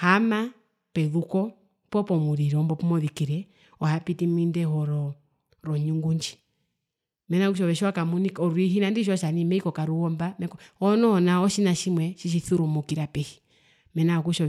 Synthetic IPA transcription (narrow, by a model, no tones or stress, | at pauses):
hama | pɛðukɔ | pɔpɔmuɾiɾɔmbɔpumɔðikiɾɛ | ɔhapitimindɛɦɔɾɔ | ɾɔɲuŋɡuɲd͡ʒi̥ | mɛnakuʃ̬ɔβɛʃwakamunikɔɾwiɦinandiʃ̬ɔʃanimɛikɔkaɾuɔmbamɛkɔɔnɔnaɔʃinaʃimwɛʃiʃ̬iθuɾumukiɾapɛhi̥ | mɛnakuʃɔ